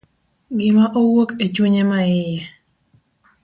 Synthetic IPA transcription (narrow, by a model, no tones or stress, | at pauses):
ɡɪmaʔowoket͡ʃuɲemaɪjɛ